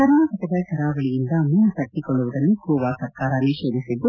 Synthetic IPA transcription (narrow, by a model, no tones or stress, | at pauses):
sɐɾnaːkɐt̪ɐbɐjkɐɾaːʋɐɭijind̪ɐmunɐsɐʈːikoɭːuʋuɽɐnːikuːʋaːsɐɾkaːɾaːnːiʃeːd̪isid̪ːu